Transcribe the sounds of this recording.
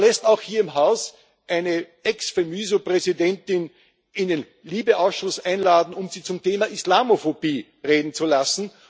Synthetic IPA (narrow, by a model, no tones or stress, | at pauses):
lɛstaʊxhiːɐɪmɦaʊs | ʔæɪnə | ɛksfemyːzopʁɛzidɛntɪn | ɪnden | liːbəʔaʊsʃʊsʔæɪnlaːdn̩ʊmziːt͡sʊmtʰeːmɐʔislaːmofobiː | ʁeːdn̩t͡sulasn̩